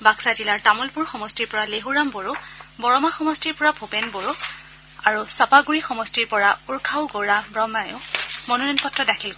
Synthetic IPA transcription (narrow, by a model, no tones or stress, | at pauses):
baksad͡ʒilaɹtamɔlpuɹxɔmɔstiɹpɔɹaleɦuɹamboɹubɔɹɔmaxɔmɔstiɹpɔɹabʰʱopɛnboɹu | aɹusapaɡuɹixɔmɔstiɹpɔɹauɹkʰawɡoɹabɹɔmajʊ̃mɔnunɔnpɔtɹɔdakʰilk